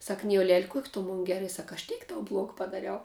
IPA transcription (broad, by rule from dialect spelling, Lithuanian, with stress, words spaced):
ˈsɐk ˈnʲɪjoːlʲɛlʲ ˈkuɔkʲ tʊ moːn ˈɡʲæːrɐ sɐk ɐʃ ˈtʲeːk tɐʊ ˈblˠoːk pɐdɐˈrʲɛʊ